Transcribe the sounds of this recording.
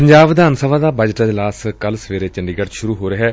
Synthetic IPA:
pəɲd͡ʒaːbd̪aːnsəʋaːd̪aːbəd͡ʒʈãːd̪laːskəlsʋeːɾeːt͡ʃəɳɖiːɡəɽʃʊɾuːɦoːɾəɦɛː

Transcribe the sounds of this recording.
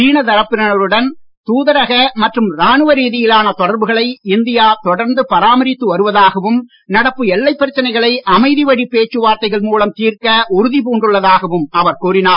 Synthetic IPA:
t͡ʃiːɳɐt̪ɐɾɐpːɪɾɐnɐɾɯɽɐn | t̪uːðɐɾɐɣɐmɐʈrɯmɾaːɳɯʋɐɾiːðɪjɪlaːnɐt̪ɔɽɐɾbɯɣɐɭɐɪɪnd̪ɪjaːt̪ɔɽɐɾnd̪ɯpɐɾaːmɐɾɪt̪ːɯʋɐɾɯʋɐðaːɣɐʋɯm | nɐɽɐpːɯɛlːɐɪpːɐɾɪt͡ʃːɐnɐɪɣɐɭɐɪɐmɐɪðiʋɐɽipːeːt͡ʃːɯʋaːɾt̪ɐɪɣɐɭmuːlɐmt̪iːrkɐʔʊɾɯðipuːɳɖɯɭːɐðaːɣɐʋɯmɐʋɐɾkuːɾɪnaːɾ

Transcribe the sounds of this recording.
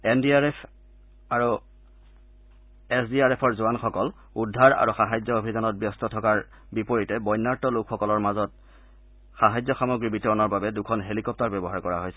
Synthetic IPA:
endiapʰ | aɹu | esdiaɹepʰɔɹzʊanxɔkɔl | udʱːaɹa̰ɹuxaɦajzɔobʱidanɔt̚bjɔstɔtʰɔkaɹ | bipoɹitɛbɔjnːaɹtɔlokʰxɔkɔlɔɹmazɔt̚ | xaɦajzɔxamoɡɹibitɔɹɔnɔɹbabɛdukʰɔnɦelikɔp̚taɹbɛbɔɦaɹkɔɹaɦojsɛ

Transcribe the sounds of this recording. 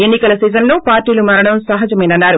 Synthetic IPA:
e̞nːikɐlɐsɛːzɐnlo̞ːpaːɾʈːiːlumɐɾɐɽɐmsɐɦɐd͡ʒɐmɛːnɐnːaːɾu

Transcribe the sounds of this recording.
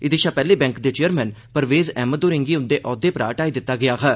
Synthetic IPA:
ɪd̪eːʃaːpɛːleːbɛ̃ŋkd̪eːt͡ʃeːəɾmɛ̃ːnpəɾʋeːzɛːmət̪d̪oːɾɪŋɡiːʊnd̪eːʔɔːd̪eːpɾa̰ːʈaːiːd̪ɪt̪ːaːɡɪjaːkɛː

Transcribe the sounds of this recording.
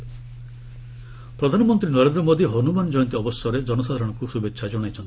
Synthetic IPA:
pɾɔd̪ʱanɔmɔnt̪ɾinɔɾend̪ɾɔmod̪iɦɔnumand͡ʒɔjɔnt̪iɔbɔsjɔɾed͡ʒɔnɔsad̪ʱaɾɔɽ̃ɔkusubekʃʰad͡ʒɔɽ̃ajt͡ʃʰɔnt̪i

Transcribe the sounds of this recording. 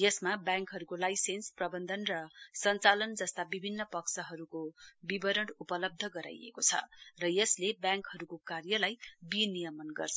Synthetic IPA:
jʌsmabjãŋkɦʌɾukolajsensprʌbʌnd̪ʱʌnrʌsʌnt͡salʌnd͡zʌst̪abibʱinːʌpʌksʌɦʌɾukobibʌɾʌɽupʌlʌb̚d̪ʱʌɡʌɾa̰jḛkot͡sʰʌ̰rʌjʌslebjãŋkhʌɾukokarjʌlajbinijʌmʌnɡʌ̰rt͡sʰʌ

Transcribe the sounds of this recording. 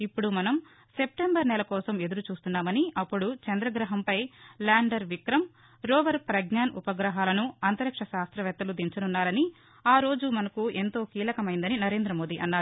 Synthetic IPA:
ipːuɽumɐnɐm | se̞p̚ʈembɐɾnɛlɐkɔːsɐme̞d̪uɾut͡ʃuːst̪unːaːmɐniɐpːuɽut͡ʃɛnd̪ɾɐɡɾɐɦɐmpɐjlaːɳɖɐɾʋikɾɐm | ɾɔːʋɐɾpɾɐɡɲaːnupɐɡɾɐɦaːlɐnuɐnt̪ɐɾɐkʂɐʃaːst̪ɾɐʋɛt̪ːɐlud̪iɲt͡ʃɐnunːaːɾɐni | aːɾo̞ːd͡ʒumɐnɐkue̞nt̪o̞ːkiːlɐkɐmɐjind̪ɐninɐɾe̞ːnd̪ɾɐmo̞ːd̪iʔɐnːaːɾ

